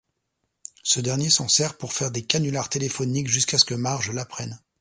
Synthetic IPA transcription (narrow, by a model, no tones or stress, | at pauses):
səd̪ɛʁnjesɑ̃sɛʁpuʁfɛʁd̪ekanylaʁt̪elefɔnikʒyskasə̥kəmaʁʒəlapχɛn